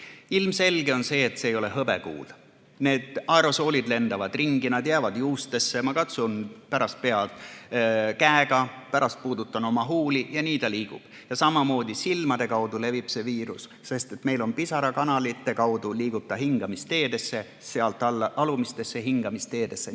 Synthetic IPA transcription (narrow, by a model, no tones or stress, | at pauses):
ilmse̞lɡ̥e̞o̞nse̞ːt̪seːjo̞le̞ɦɤbekṵːl | ne̞ːd̪̥ɑeɾo̞so̞ːlid̪le̞nd̪ɑvɑd̪̥riŋɡ̥inɑd̪jæːvɑd̪̥juːst̪e̞sːe̞mɑkɑt̪sunpæɾɑst̪̚pe̞ɑt̪ | kæeɡ̥ɑpæɾɑst̪̚puːd̪̥ut̪ːˑɑno̞mɑɦuːlijɑniːt̪ɑliːɡ̥ṵb̥ | jɑsɑmɑmo̞ːd̪̥isilmɑd̪̥e̞kɑwd̪̥ule̞vib̥se̞viːɾusːe̞st̪e̞t̪me̞jlo̞npisɑɾɑkɑnɑlit̪ːˑe̞kɑwd̪̥uliːɡ̥ut̪ːˑɑɦiŋɡ̥ɑmist̪e̞ːd̪e̞sːe | seɑlt̪ːˑɑlːɑlumist̪e̞sːe̞ɦiŋɡ̥ɑmist̪e̞ːd̪̥e̞sːe